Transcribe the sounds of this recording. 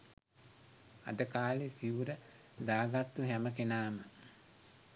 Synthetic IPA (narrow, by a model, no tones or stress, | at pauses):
a̰d̪əkaːlesiuɾə | d̪aːɡat̪ːuɦæməkenaːmə